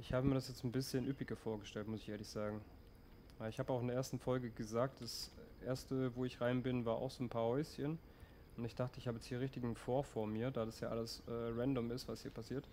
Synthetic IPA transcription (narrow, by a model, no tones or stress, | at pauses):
ʔɪçhaːbəmiːɐɾasjɛt͡sn̩bɪsçənʔypɪɡɐfoːɐɡəʃtɛltmʊsɪçʔeːɐlɪçz̥aːɡŋ̩ | vaːɪçhaːbəaʊxɪndeɐeːɐstn̩fɔlɡəɡəzaːk̚td̥asʔeːɐstəvoːɪçʁaɪnbɪnvaːɐʔa̰ʊxz̥oːnpʰaːɐhɔʏsçən | ʔʊntɪçd̥aχtəɪçhaːbəjɛt͡sthiːɐʁ̞ɪçtɪɡn̩foːɐfoːɐmiːɐdaːdasjaːʔaləsʔɛːʁɛndɔmɪstv̥ashiːɐpʰasiːɐt